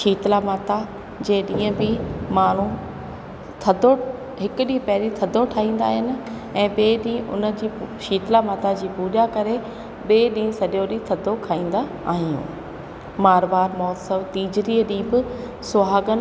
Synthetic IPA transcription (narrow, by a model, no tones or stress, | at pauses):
ʃiːt̪lamaːt̪a | d͡ʑeːɗĩːə̃bɪmaːɳ̤ũ | t̪ʰɐd̪ʱo | ɦɪkʊɗĩpɐɦɪlit̪ʰɐd̪ʱoʈʰaːɦĩːn̆d̪aːɦɪnɪ̆ | ɛ̃ːɓeːɗĩːʔʊ̰nəd͡ʑiːʃiːt̪lamaːt̪ad͡ʑiːbuːɗakɐɾe | ɓeːɗĩːʊ̃sɐɗjoɗĩt̪ʰɐd̪ʱːokʰaːĩːn̆d̪a | a̰ːɦijṵ̃ː | maːɾʋaːɾmɔːt̪səʋt̪iːd͡ʑɾiːəɗĩːbɪ | sʊɦaːɡən